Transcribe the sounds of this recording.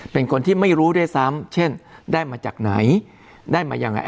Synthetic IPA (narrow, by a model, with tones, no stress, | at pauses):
pe˧nkʰo˧nt̪ʰiː˥˩ma˥˩jɾuː˦˥da˥˩jsa˦˥mt͡ɕʰe˥˩ndaː˥˩jmaː˧t͡ɕa̰ː˨˩k̚na̰˩˦j | daː˥˩jma̰ː˧jaː˧ŋʔa̰˧ʔ